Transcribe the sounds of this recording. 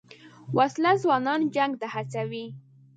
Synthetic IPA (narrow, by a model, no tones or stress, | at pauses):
wʔaslazwɑnɑnd͡ʒaŋɡt̪ahat͡sawi